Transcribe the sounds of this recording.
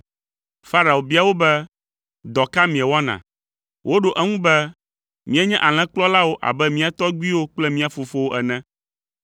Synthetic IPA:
fa˦ɾa˨o˨bi˦a˨wo˦bɛ˦ | d̪ɔ˨ka˦mĩ˨ɛ˨wa˦nã̰˨ | wʔo˦ɖo˨ʔɛ˦ŋũ˦bɛ˦ | mĩ˦ɛ˦ɲɛ̃˦ʔa˨l̃ɛ̃˦k͡plɔ˦la˦wo˦ʔa̰˨bɛ˦mĩ˦a˨t̪ɔ˦ɡ͡bi˦wo˦k͡plɛ˦mĩ˦a˨fo˨fo˦wo˦ʔɛ˨nɛ̃˦

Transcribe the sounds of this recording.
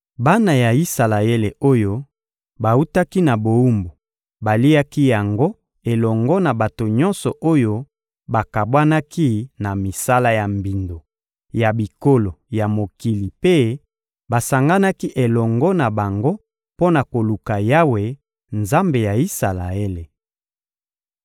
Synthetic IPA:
ba˦na˨ja˨i˦sa˨la˨e˦le˨o˦jo˦ | ba˨u˦ta˦ki˦na˨bo˨u˦mbo˨ | ba˨li˦a˦ki˦ja˨ŋɡo˦ | e˨lɔ˨ŋɡɔ˦na˨ba˨to˨ɲɔ˦nsɔ˨ʔo˦jo˦ | ba˨ka˨bwa˦na˦ki˦na˨mi˨sa˦la˦ja˨mbi˨ndo˨ | ja˨bi˨ko˦lo˨ja˨mo˨ki˨li˨pe˦ | ba˨sa˨ŋɡa˦na˦ki˦ʔe˨lɔ˨ŋɡɔ˦na˨ba˨ŋɡo˦ | po˦na˨ko˨lu˨ka˨ja˦we˨ | nza˦mbe˨ja˨i˦sa˨la˨e˦le˨

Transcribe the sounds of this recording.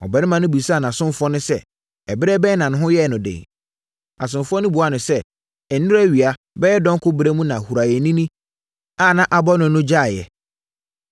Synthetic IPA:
ɔ̰˨bɛ˨nɪ̃˦mã˨nʊ̃˦bu˨sa˦˨nã˨sʊ̃˦m˦fɔ˦nʊ̃˦sɛ˦ | ɛ˨bɪ˦ɾɛ˦bɛː˦nã˨nʊ̃˦ɦʊ̃˦jɛ˦˨nʊ̃˨dḛ̃˨ | a˨s̬ʊ̃˨m˨fɔ˦nʊ̃˦bu˨a˦nʊ̃˨sɛ˦ | ɛ˨n̩˦nʊ̃˦ɾæ˦ɥi˨a˨ | bɛ˦ɛ˦dɔ̃˦ŋ˦kʰʊ˦bɪ˦ɾe˦mũ˦nã˨hu˨ɾa˨jɛ˨nĩ˦nĩ˦ | a˦˨nã˦ʔa˨bɔ˦nʊ̃˨˦nʊ̃˦d͡ʑa˦˨jɛ̰˨

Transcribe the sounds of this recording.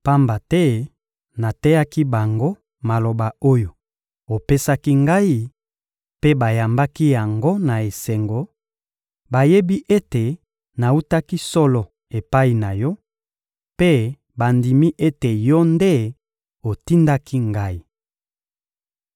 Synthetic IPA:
pa˦mba˨tɛ˦ | na˨tɛ˦ja˦ki˦ba˨ŋɡo˦ | ma˨lo˨ba˨o˦jo˨ | o˨pe˦sa˦ki˦ŋɡa˦i˦ | pe˦ba˨ja˨mba˦ki˦ja˨ŋɡo˦na˨e˨se˨ŋɡo˨ | ba˨je˦bi˦ʔe˦te˨ | na˨u˦ta˦ki˦sɔ˦lɔ˨ | e˨pa˦i˨na˨jɔ˦ | pe˦ | ba˨ndi˨mi˦ʔe˦te˨jɔ˦nde˦ | o˨ti˦nda˦kʰi˦ŋɡa˦i˦

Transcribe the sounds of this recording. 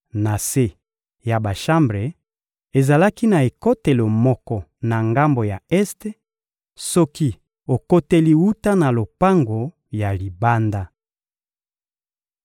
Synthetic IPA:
na˨se˦ | ja˨ba˨ʃa˦mbʁe˨ | e˨za˨la˦ki˦na˨e˨ko˦te˨lo˨mɔ˦kɔ˦na˨ŋɡa˦mbo˨ja˨ɛ˦ste˦ | sɔ˦ki˦ | o˨ko˦te˦li˦wu˦ta˦na˨lo˨pa˦ŋɡo˨ | ja˨li˨ba˦nda˦

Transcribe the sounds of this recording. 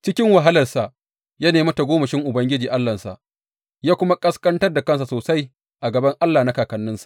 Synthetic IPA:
t͡ʃɪ˦kʲɪ˦ŋwa˨ɦa˦lɐ˨rsa˨ʔ | ja˦neː˨mɐ˦ta˨ɡʷoː˦mɐ˨ʃɪ˦ŋʔʊ˨bɐ˦ŋɡʲɪ˦d͡ʒiː˨ʔa˦lːɐ˨nsa̰˨ʔ | jaː˦kʷʊ˦ma˦kʼɐ˦skʼɐ˦ntɐ˦rda˨kɐ˦ns̬a˨soː˨sa˦j | ʔa˨ɡɐ˨bɐ˦ŋʔa˦lːaː˨na˦kaː˨kɐ˨nːɪ˦nsḁ˨ʔ

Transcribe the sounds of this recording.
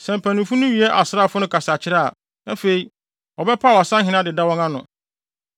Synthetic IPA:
sɛ̃˨m˨pʰæ̃˨nʊ̃˨fũ˦nʊ̃˦ɥi˨ɛ˦ʔa˨sɪ˦ɾa˦˨fʊ˦nʊ̃˦kʰa˨sa˨t͡ɕʰɪ˦ɾa˦a̰˨ | nã˦fe˨i˨ | ɔ˨bɛ˦pʰa˦˨wa˨sã˦ɦɪ̃˨nã˦dɪ˨da˦wɔ̃˦ŋã˦nʊ̃˨

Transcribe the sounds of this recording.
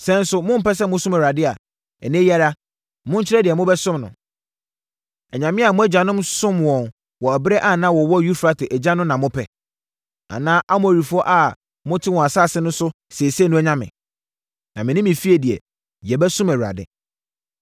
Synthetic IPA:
sɛ̃˦n̩˦sʊ˦mʊ̃˦m̩˦pɛ˦s̬ɛ˦mʊ̃˦sʊ˦mæ˨ɥɾa˨dɪ˦a˨ | ɛ˨nɪ̃˦ja˦ɾa˦ | mʊ̃˦ɲ̩˦t͡ɕʰɪ˦ɾɛ˦dɪ˨ɛ˨mʊ̃˦bɛ˦sʊ̃˦mnʊ̰̃˨ | ɛ˨ɲã˨mɪ̃˦a˨mʊ̃˦æ˦d͡ʑã˨nʊ̃˦msʊ̃˦mwɔ̃˨n | wɔ˨æ˨bɛ˦ʔa˦˨nã˦wɔ˨wɔ˦ju˦fɾa˦tʰɪ˨ʔæ˨d͡ʑã˦nʊ̃˦m˦nã˨mʊ̃˦pʰɛ˦ | a̰˨nãː˦ʔa˦mʊ̃˦æ˨ɾi˨fu˨˦ɔ˦ʔa˨ | mʊ̃˦tʰɪ˦wɔ̃˨a˨saː˦˨sɪ˦nʊ̃˦n˦sʊ˦ | se˨sɛ˦nʊ̃˦ɛ˦ɲã˦mɪ̰̃˨ | nã˨mɪ̃˨nɪ̃˦mɪ̃˨fi˦e˨di˨ɛ̰˨ | jɛ˨bɛ˦sʊ̃˦mɛ˨ɾa̰˨dɪ̰˨

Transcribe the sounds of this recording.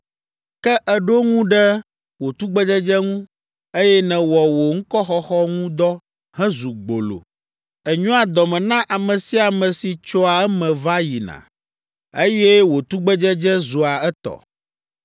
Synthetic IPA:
kɛ˦ʔɛ˨ɖo˦ŋũ˦ɖɛ˦ | wo˨t̪u˦ɡ͡bɛ˦d͡ʒɛ˦d͡ʒɛ˦ŋũ˦ | e˦jɛ˦nɛ̃˨wɔ˨wo˨ŋ̩˦kɔ˦xɔ˦xɔ˦ŋũ˦d̪ɔ˦ | hɛ̃˦zu˨ɡ͡bo̰˨lo̰˨ | ɛ˨ɲɔ̃˦a˨d̪ɔ˨mɛ̃˨nã˦ʔa˨mɛ̃˨si˦a˨mɛ̃˨si˨t͡ʃɔ˦a˨ɛ˦mɛ̃˨va˦ji˨nã̰˨ | e˦jɛ˦wo˨t̪u˦ɡ͡bɛ˦d͡ʒɛ˦d͡ʒɛ˦zu˨a˨ɛ˦t̪ɔ̰˨

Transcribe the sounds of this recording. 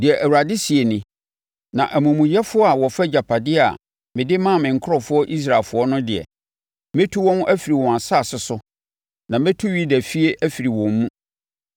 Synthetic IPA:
dɪ˨ɛ˨ʔæ˨wu˨ɾa˨dɪ˦si˨e˨nɪ̃˨ | nã˨ʔæ˨mũ˨mũ˨jɛ˦fʊ˦ɔ˦a˨wɔ˨fæ˦d͡ʑa˨pʰa˨dɪ˦a̰˨ | mɪ̃˨dɪ˦mã˦˨mɪ̃˨ŋ̩˨kʰʊ˦ɾɔ˨fʊ˦ɔ˦ʔi˦s̬ɾa˨lfʊ˨˦ɔ˦nʊ̃˦dɪ˨ɛ̰˨ | mẽ˦tʰu˦wɔ̃˦n˦ʔæ˦fi˨ɾi˨wɔ̃˨a˨sa˦˨sɪ˨sʊ˦ | nã˨mɛ̃˦tʰu˦ɥi˦dæ˨fi˦e˦ʔæ˦fi˨ɾi˨wɔ̃˨mː˦ũ˦

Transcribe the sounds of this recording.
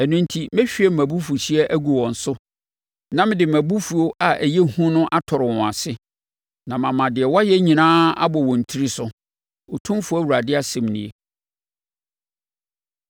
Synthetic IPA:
ɛ˨nũ˦n̩˦tʰi˦mɛ̃˦ɕᶣi˨˦ɛ˦m̩˨æ̃˨bu˦fu˨ɕi˦ɛ˦ʔæ˦ɡu˨wɔ̃˨n̩˨sʊ˦ | nã˦mɪ̃˦dɪ˨m˨æ̃˨bu˦fu˨o˦ʔa˨ʔæ˨je˦hũ˦nʊ̃˦ʔa˦tʰɔ˨ɾɪ˨wɔ̃˨a˨sɪ˦ | nã˨mã˨mã˨dɪ˨ɛ˨wa˦jɛ˦ɲĩ˨nãː˦a̰˦bɔ˨wɔ̃˨n̩˨tʰi˦ɾi˦sʊ˦ | o˨tʰũ˦fʊ˨˦æ˦˨wu˨ɾa˨dɪ˦a˦sɛ̃˨m˨nĩ˨e˨

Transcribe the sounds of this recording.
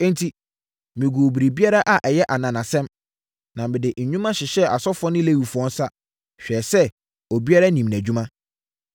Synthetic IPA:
n̩˦tʰi˦ | mĩ˨ɡu˨bi˨ɾi˨bi˦a˦ɾa˦ʔa˨ʔɛ˨jɛ˦ʔa˨nã˨nã˨sɛ̃˦m | nã˨mɪ̃˨dɪ˨ʔɲ̩˨ɲᶣũ˦mã˦ɕɪ˨ɕɛ˦a˨sɔ˦fɔ˦nɪ̃˦le˦˨wu˨fu˨ɔ̃˦n̩˦sa˦ | ɕᶣɛː˨sɛ˦ | ɔ˨bi˦a˦ɾa˦nĩ˨m˨næ̃˨d͡ʑᶣu˦mã˦

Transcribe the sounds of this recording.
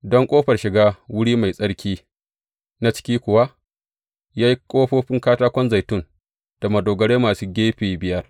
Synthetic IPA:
dɔ˦ŋkʷʼoː˦ɸɐ˨rʃɪ˨ɡaː˦wʊ˦ɽiː˦ma˨jsʼɐ˦ɽkʲiː˦ | na˦t͡ʃɪ̥˦kʲiː˦kʷʊ˨wa˦ʔ | jaː˦ji˦kʷʼoː˦ɸoː˦ɸɪ˦ŋkaː˦taː˦kʷɔ˦nza˨jtʊ˦˨n | d̥a˨mɐ˨doː˨ɡɐ˨ɽeː˦maː˨suː˦ɡʲeː˦ɸeː˨bɪ˦jɐ˦r

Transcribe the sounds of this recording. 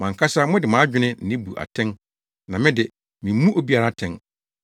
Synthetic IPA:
mã˨ŋ̩˨kʰa˦sa˦mʊ̃˦dɪ˨mã˨˦d͡ʑᶣɪ˦nɪ̃˦n̩˨nɪ̃˦bṵ˨ʔa̰˨tʰɛ̃˦n | nã˨mɪ̃˦dɪ˨ | mɪ̃˨m˦mũ˦ʔo˦bi˦a˨ɾa˦tʰɛ̃˦n

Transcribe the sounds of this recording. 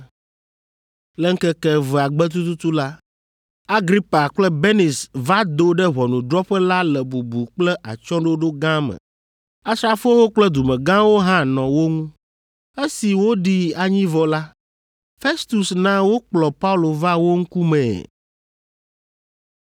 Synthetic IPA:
lɛ˦ŋ̩˦kɛ˦kɛ˦˨vɛ˨a˨ɡ͡bɛ˦t̪̬u˦t̪u˦t̪u˦la˦ | a˦ɡɾi˦pa˨k͡plɛ˦be˦ni˨sva˦d̪o˦ɖɛ˦βɔ˨nũ˨d̪ɾɔ˦ɸɛ˦la˦lɛ˨bu˨bu˨k͡plɛ˦ʔa̰˨t͡ʃɔ̃˦ɖo˦ɖo˦ɡã˦mɛ̰̃˨ | a˦sɾa˦fo˦wo˦k͡plɛ˦d̪u˨mɛ̃˨ɡã˦wo˦ɦã˦nɔ̃˨wo˦ŋũ˦ | e˦si˨wo˦ɖi˦a˨ɲĩ˦vɔ˦la˦ | fe˦st̪u˨snã˦wo˦k͡plɔ˨pa˦u˦lo˨va˦wo˦ŋ̩˦ku˦mɛ̰̃˨

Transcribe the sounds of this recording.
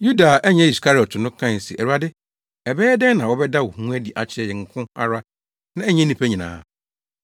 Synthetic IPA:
ju˦da˨ʔɛ˦ɲɛ̃˦i˨skʰa˦ɾɪ˨ɔ˨tʰʊ˨nʊ̃˦kʰã˦n̩˨sḭ˨ʔæ˨ɾu˨a˨dɪ˦ | ɛ˨bɛː˦dɛ̃˦nã˨wɔ˦bɛ˦da˦wo˨hũ˦æ˦di˨ʔa˨t͡ɕʰɪ˦ɛ˨jɛ˨ŋ̩˨kʰʊ̃˦a̰˦ɾa˦ | nã˦ɛ˦ɲɛ̃˦nĩ˨pʰæ˦ɲĩ˨nã̰ː˨˦

